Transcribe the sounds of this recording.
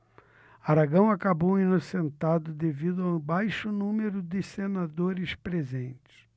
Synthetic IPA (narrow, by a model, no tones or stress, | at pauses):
aɾaɡɐ̃w̃akabowinosẽnt̪ad̪ʊd̪evid̪ʊawbajʃʊnũmeɾʊd̪ɪsenad̪oɾɪspɾezẽnt͡ʃɪ̥s